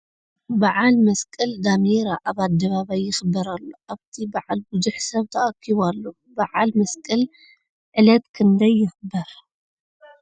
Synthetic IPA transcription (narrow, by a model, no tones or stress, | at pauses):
baʕalmɐskʼɨld̪amiɾaʔaβad̪ːɐβaβajːɪxɨbːɐɾalːoʔaβt̪ʰibaʕalbuzuħsɐβt̪ʰɐʔɐkʰːiβalːo | baʕalmɐskʼɐl | ʕɨlɐt̪kʰɨnd̪ɐjːɪxbːɐɾ